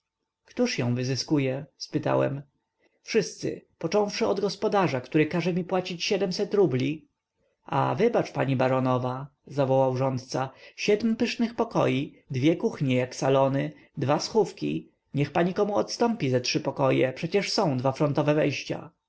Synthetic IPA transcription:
kt̪uʂjɔ̃w̃vɘzɘskujɛspɘt̪a̰wɛ̰m | fʂɘst̪sɘ̰pɔt͡ʂɔ̃w̃fʂɘɔd̪ɡɔspɔd̪aʐakt̪uɾɘkaʐɛmʲipwat͡ɕit͡ɕɕɛd̪ɛmsɛt̪ɾublʲi | ʔa̰vɘbat͡ʂpaɲibaɾɔnɔvazavɔwawʐɔnt̪̚t̪saɕɛd̪mpɘʂnɘxpɔkɔ̰ji | d̪vʲjɛkuxɲɛjaksalɔnɘ | d̪vasxufkʲḭ | ɲɛxpaɲikɔmuɔ̰t̪st̪ɔ̃mpʲizatʂɘpɔkɔjɛ̰pʂɛt͡ɕɛʂsɔ̃w̃d̪vafɾɔnt̪ɔvɛvɛjɕt͡ɕa̰

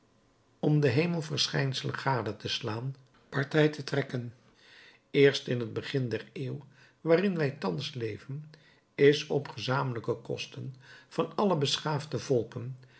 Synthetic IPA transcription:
ɔmdəɦejməlˠvəɹsχɛjnsələχaːdətəslaːn | pɑɹtɛjtətrɛkən | ɪːɹstɪnɦəd̚bəχɪndɛreːw | ʋaːrɪnʋɛjtɑnslejvən | ɪsɔpχəzaːmələkəkɔ̰stənv̥ɑnɑləbəsχaːfdəvɔlˠpən

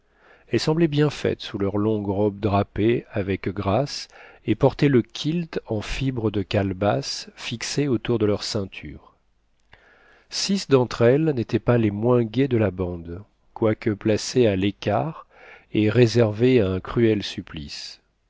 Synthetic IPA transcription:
ɛlsɑ̃blɛbjɛ̃fɛ̰t̪sulœʁlɔ̃ɡʁɔb̚d̪ʁapeavɛkɡʁasepɔʁt̪ɛləkʲʰilt̪ɑ̃fibʁəd̪əkalbasfikseot̪uʁd̪əlœʁsɛ̃t̪ʰy̰ːʁ | sisd̪ɑ̃t̪χɛlnet̪ɛpalemwɛ̃ɡʲɛd̪əlabɑ̃d̪ | kwakəplasealekʲaʁ | eʁezɛʁveaɛ̃kχyɛlsyplḭs

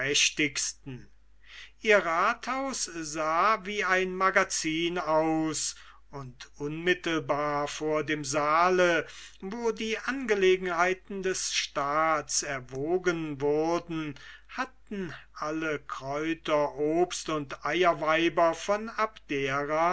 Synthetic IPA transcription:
ɛʃtɪkstn̩ | ʔiːɐʁaːthaʊszaːviːaɪnmaɡat͡siːnaʊs | ʊntʔʊnmɪtl̩baːɐfoːɐdeːmzaːləvoːdiːʔanɡəleːɡŋ̩ɦaɪtn̩dɛsʃtaːtsɛɐvoːɡənvʊɐdn̩hatn̩ʔaləkʁ̥ɔʏtɐʔoːpstʊntʔaɪɐvaɪbɐfɔnapd̥eːʁa

